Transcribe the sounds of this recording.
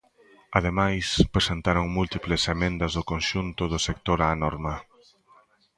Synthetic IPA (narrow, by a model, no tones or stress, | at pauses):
að̞emajspɾesent̪aɾoŋmult̪iplɪsemẽnd̪ɐzðʊkonʃunt̪ʊðʊsekt̪oɾaːnɔɾmɐ